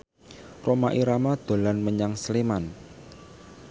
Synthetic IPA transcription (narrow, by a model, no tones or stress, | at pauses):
romaʔiɾamad̪̥o̤lanməɲaŋsleman